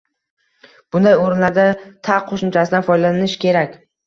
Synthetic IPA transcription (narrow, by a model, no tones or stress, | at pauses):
b̥ʊnd̪ajoɾɪnlaɾd̪at̪ʰaqʰoʃʊmt͡ʃʰasɪd̪anfɒjlaɪnɪʃkʲʰe̞ɾakʲ